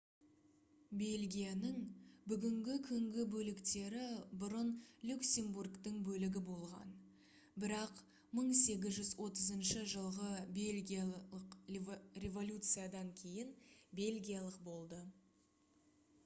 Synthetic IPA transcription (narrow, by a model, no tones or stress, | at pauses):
be̞lɡʲijanəŋbʏɡʲɪŋɡʲɪkʲʰʏŋɡʲɪbɵlɪkt̪e̞ɾɪbʊɾənlʲuksʲe̞mburkt̪əɴbɵlɪɡʲɪbo̞lˠʁɑ̰n | bɪɾɑq | məɴse̞ɡʲɪzʒʏzwo̞t̪əzənʃəʒəlˠʁəbelʲɡʲijəqrʲe̞vo̞lʲut̪sɨjad̪ɑŋkʲʰe̞jɪnbe̞lʲɡʲijalˠəq̚bo̞lˠd̪ə